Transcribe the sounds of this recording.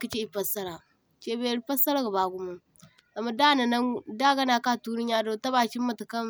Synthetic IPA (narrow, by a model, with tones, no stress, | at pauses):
ki˦t͡ʃe˦i˨pa˦sa˦ɾa˨ | t͡ʃe˦be˦ɾi˦pa˦sa˦ɾa˦ɡa˨ba˨ɡu˦ma˦ | a˨ma˨da˦na˨na˦da˦ɡa˦na˨ka˦˨tu˦ni˦a˦do˨˦ta˦ba˨t͡ʃi˦mːa˨ta˨ka˦m